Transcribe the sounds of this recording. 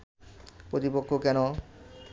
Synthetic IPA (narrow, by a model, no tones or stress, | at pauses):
pɾot̪ipokʰːokɛno